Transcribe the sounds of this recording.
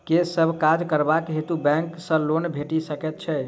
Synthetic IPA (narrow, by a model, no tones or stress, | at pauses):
kesəbʱkad͡ʒkəɾbakɦet̪ubɛ̃ŋksə̃lonbʱeʈisəkɛt̪̚t͡ʃʰɛ